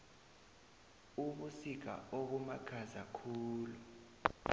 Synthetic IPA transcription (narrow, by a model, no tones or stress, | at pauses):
uɓusik̬a̰oɓumaɡ̥ʰʱazakʰuːlu